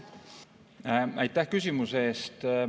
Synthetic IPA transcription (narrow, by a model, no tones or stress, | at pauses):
æjt̪ːˑæhkysʲimuseeːst̪